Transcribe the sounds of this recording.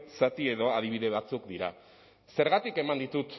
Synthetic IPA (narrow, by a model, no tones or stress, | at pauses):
sat̪ie̞ðo̞að̞iβ̞iðe̞β̞at͡sukd̪iɾa | se̞ɾɣat̪ike̞mand̪it̪ut̪